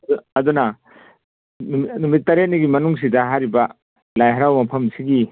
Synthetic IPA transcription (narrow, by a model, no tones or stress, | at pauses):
uɐd̪unɐ | nmnumitːɐɾet̚niɡimɐnuŋs̬idɐɦaɾibɐ | lajɦɐɾawmɐpʰɐmsiɡi